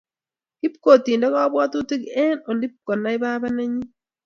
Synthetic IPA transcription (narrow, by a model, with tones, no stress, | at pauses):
i˦pko˨tiː˨nda˦ka˦βwaː˦tu˦ti˦ke˦no˨ndi˦p̚ko˨na˦iβa˦βa˦na˦ɲi˦